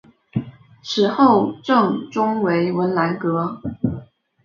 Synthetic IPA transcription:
ʂɻ̩˨˩xo˥˧ʊʈ͡ʂɤ˥˩ŋʈ͡ʂʊ˥ŋwe˧˥ɪwə˧˥nla˧˥nkɤ˧˥

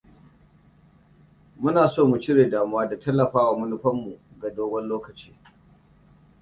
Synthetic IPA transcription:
mʊ˦naː˨soː˦mu˨t͡ʃɪ˦ɽeː˨daː˨mʊ˦waː˦da˨tɐ˦lːɐ˨ɸaː˦waː˨mʊ˦nʊ˦ɸɐ˦mːu˨ | ɡa˨doː˦ɡʷɔ˦nloː˦kɐ˨t͡ʃiː˦

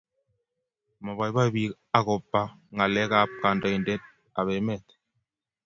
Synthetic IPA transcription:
mɔ˨βa˨jba˦bi˨˦k | a˨kɔ˨pːa˦ | ŋa˨lɛ˦ka˦p̚ka˨ndɔ˨i˨ndɛ˦t̪̚ | a˨βɛ˨˦mɛ˦˨t

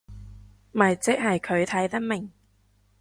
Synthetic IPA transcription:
mɐ˨˩jt͡sɪ˥k̚hɐ˨jkʰɵ˨˧ɥt̪ʰɐ˨˥jt̪ɐ˥k̚mɪ˨˩ŋ

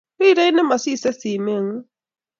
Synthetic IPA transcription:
ɾi˦ɾe˦i˦nɪ˦ma˨si˦˨se˦si˨me˦˨ŋ̩˦

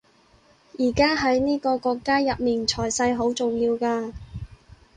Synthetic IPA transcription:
jiː˨˩kaː˥ɦɐ˨˥jniː˥kɔː˧kɔː˧kːaː˥jɐ˨p̚miː˨˩nt͡ʃʰɔː˨˩jsɐ˧jɦo˨˥wt͡sʊ˨ŋjiː˧wkaː˧

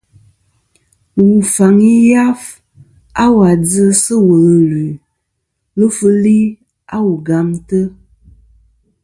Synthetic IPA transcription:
wu˨fa˨ŋi˦ja˦f | a˦wa˨d͡zɨ˦sə˦wə˨lə˨lʉ˨ | lɨ˦fɨ˦li˦ | a˦wu˨ɡa˨mtə˦

